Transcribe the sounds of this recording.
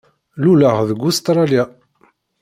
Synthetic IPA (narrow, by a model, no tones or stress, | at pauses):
luləʁðəɡːʊst̪ɾˤɑlja